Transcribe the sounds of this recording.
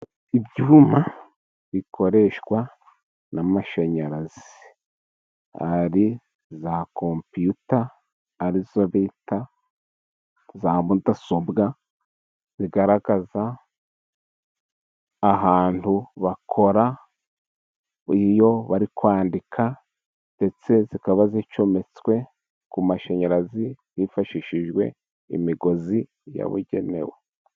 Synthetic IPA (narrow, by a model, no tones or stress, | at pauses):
ibɟuːma | βikʰo̞ɾe̞ʃɡwa | namaʃaɲaɾazii | ha̰ɾi | zakʰompijutaː | ɾizoβita | zamutasobɡa | βiɡaɾaɡ̥aza | ɦaːntuβakʰo̞ɾa | ijo̞βaɾikwaːndikʰa | nde̞t͡se̞zikaβazit͡ʃo̞me̞t͡swe̞ | kumaʃeɲeɾazijifaʃiʃiʒɡwe̞̰ | ḭmiɡo̞zi | ja̰βṵɟe̞̰ne̞̰we